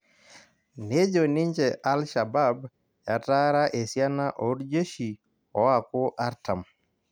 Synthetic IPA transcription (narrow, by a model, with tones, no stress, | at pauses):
ne˦d͡ʒo˨nɪ˦ɲd͡ʒɛ˨ʔa˦lʃa˨ba˦b | ja˨ta˦ɾa˦ʔe˨sja˦na˦ʔo˨ɾd͡ʒe˦ʃi˨ | ɔ˨˦a˨kʊ˦ʔa˦ɾta˨m